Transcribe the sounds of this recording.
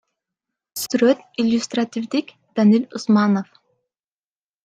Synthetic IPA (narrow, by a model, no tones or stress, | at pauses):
syɾøt̪ilʲːust̪ɾat̪ʰivd̪ikʲ | d̪̥anilʲusmɑnof